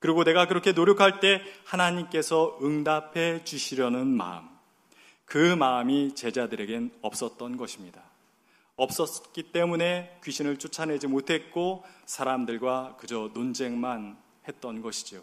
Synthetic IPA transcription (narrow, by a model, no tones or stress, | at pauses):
kɯɾiɡone̞ɡakɯɾʌkʰe̞noɾjokʰaɭt͈e̞hanaɲimk͈e̞sʰʌɯŋdapʰe̞t͡ɕuɕʰiɾjʌnɯnma̰ɯ̰m | kɯmaɯmit͡ɕe̞d͡ʑadɯɾe̞ɡe̞nʌp̚s͈ʌt̚t͈ʌnɡʌɕʰimɲida | ʌp̚s͈ʌs͈k͈it͈e̞mune̞kɥiɕʰinɯɭt͡ɕ͈ʰut͡ɕʰane̞d͡ʑimotʰe̞t̚k͈osʰaɾamdɯɭɡwakɯd͡ʑʌnond͡ʑe̞ŋman | he̞t̚t͈ʌnɡʌɕʰi̥d͡ʑijo